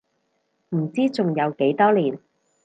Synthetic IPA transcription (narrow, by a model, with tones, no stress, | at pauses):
m̩˨˩t͡siː˥t͡sʊ˨ŋjɐ˨˧wke˨˥jt̪ɔː˥liː˨˩n